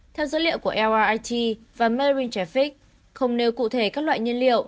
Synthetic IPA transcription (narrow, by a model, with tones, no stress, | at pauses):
t̪ʰɛ˧wzo̰˧˥˦lḭ˧˨əwku˧˩əʔɛ˧wʔaː˧ʔaː˧jt̪ʰi˧ | vaː˨˩məː˧ɹi˧nt͡ɕɛ˧˩fi˦˥k̚ | xə˧wŋ͡mne˧wkṵ˧˨t̪ʰe˧˩kaː˦˥k̚lwa̰ː˧˨jɲi˧ənlḭ˧˨əw